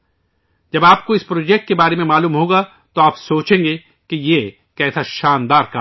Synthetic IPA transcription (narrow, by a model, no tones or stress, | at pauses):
d͡ʒɐbaːp̚koɪspɾoːd͡ʒɛk̚ʈ̚kebaːɾemẽmaːluːmɦoːɡa | t̪oaːpsoːt͡ʃẽːŋɡe | kije | kɛːsaʃaːnd̪aːɾka